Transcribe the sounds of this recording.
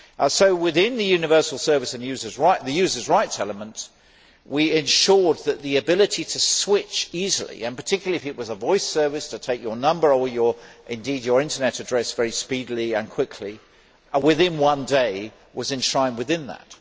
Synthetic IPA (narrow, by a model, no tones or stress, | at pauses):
soʊwɪðɪ̃nðɨjʉnɨvɜ˞sl̩ˠsɜ˞vɨsɨ̃njʉzə˞zɹaɪʔðɨjʉzə˞zɹaɪtsɛlˠəmə̃nʔ | wiɪ̃nʃʊɹd̪̚ðɨt̪̚ðiɨbɪlˠɨɾiɾɨswɪt͡ʃizəlˠḭɨ̃npə˞tʰɪkjl̩ˠiɨfɨt̚wʌzəvɔɪsɜ˞vɨstʰɨtʰeɪkjə˞nʌ̃mbə˞ə˞jə˞ʔɪ̃ndid͡ʒə˞ɪ̃ntənɛɾɨdɹɛsvɛɹispidl̩ˠiɨ̃nkʰw̥ɪkʰli | wɪðɪ̃nwʌ̃ndeɪ | wʌzɨ̃nʃɹ̥ãɪ̃mwɨðɪ̃nðə̰t̚